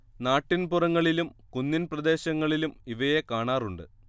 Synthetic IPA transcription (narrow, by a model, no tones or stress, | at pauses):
naːʈːinpurɐŋːɐɭilumkunːinprɐd̪e̞ːɕɐŋːɐɭilumiʋɐje̞kaːɳaːruɳɖɨ̰